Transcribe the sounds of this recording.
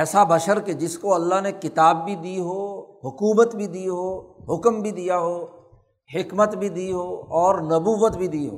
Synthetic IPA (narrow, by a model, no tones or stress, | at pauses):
ɛːsabɐʃəɾked͡ʒɪskoɐlːaɦnekɪt̪aːbːʱid̪iːɦoɦʊkuːbət̪bʱid̪iːɦoːɦʊkmbʱid̪ijaɦoː | hɪkmət̪bʱid̪iːɦoːɔːɾnɐbuːʋət̪bʱid̪iːɦo̰ː